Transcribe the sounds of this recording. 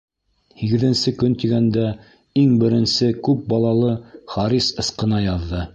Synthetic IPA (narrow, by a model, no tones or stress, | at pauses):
hiɡɘ̆ðɘ̆nsɘkɵnt̪iɡænd̪æ | iŋbɘ̆ɾɘ̆nsɘkʉp̚bɑlˠɑlˠɤχɑɾisɤ̆sqɤ̆nɑjɑðːɤ